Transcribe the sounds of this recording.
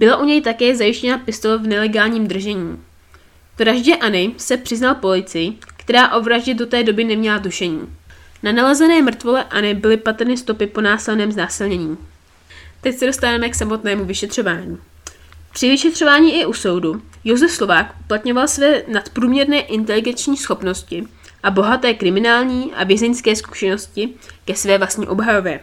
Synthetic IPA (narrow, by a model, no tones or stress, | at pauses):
bɪlaʔuɲɛjt̪akɛːzajɪʃcɛnapɪst̪o̞lɛvnɛlɛɡaːlɲiːmd̪r̩ʒɛɲiː | vɾaʒɟɛʔanɪsɛpr̥ɪznalpo̞lɪt͡sɪjɪkt̪ɛɾaːʔo̞vɾaʒɟɛdo̞t̪ɛːdo̞bɪnɛmɲɛladuʃɛɲḭː | nanalazɛnɛːmr̩t̪vo̞lɛʔanɪbɪlɪpat̪r̩nɪst̪o̞pɪpo̞naːsɪlnɛːmznaːsɪlɲɛɲiː | t̪ɛcsɛdo̞st̪avamɛksamo̞t̪nɛːmuvɪʃɛt̪r̥o̞vaːɲiː | pr̥ɪvɪʃɛt̪r̝̥o̞vaːɲiːʔɪʔuso̞wdujo̞zɛfslo̞vaːkʔuplat̪ɲo̞valsvɛːnat̪pɾuːmɲɛɾnɛːʔɪnt̪̬ɛlɪɡɛnt͡ʃɲiːsxo̞pno̞scɪ | ʔabo̞ɦat̪ɛːkɾɪmɪnaːlɲiːʔa̰vjɛzɛnskɛːsku̥ʃɛno̞scɪkɛsvɛːvlasɲiːʔo̞bɦajo̞vɛ